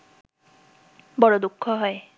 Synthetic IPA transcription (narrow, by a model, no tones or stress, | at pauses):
bɔɽɔd̪ukʰːɔɦɔe